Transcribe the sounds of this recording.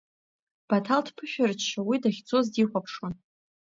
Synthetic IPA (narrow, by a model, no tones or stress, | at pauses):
b̥atʰaldpʰɨʃᶣart͡ʃt͡ʃawidaχʲt͡sʰʼo̞zdiχʷapʰʂwon